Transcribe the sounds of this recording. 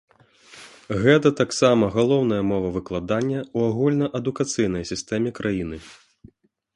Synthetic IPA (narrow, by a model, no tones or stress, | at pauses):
ɣɛt̪̬ɐt̪aksamɐɣalˠɔwnɐjɐmɔvɐvɨklˠad̪anʲːɐuaɣulʲnɐʔɐd̪ukat̪sɨjnɐjsʲist̪ɛmʲɛkɾʔajinɨ